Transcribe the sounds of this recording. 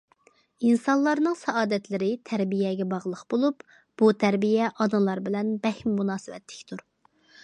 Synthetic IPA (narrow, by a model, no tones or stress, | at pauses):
insɑnlˠɑɾnɨŋsɛɑːd̪ɛt̪lɪɾɪt̪ʰæɾbijɛɡʲɛbɑʁlˠəqbolˠup | b̥ut̪ʰæɾbijɛʔɑd̪ɨlˠɑɾbɪlɛnbɛhmːunɑːsɨwɛ̰t̪ʰːɪ̥kʲt̪ʰuɾ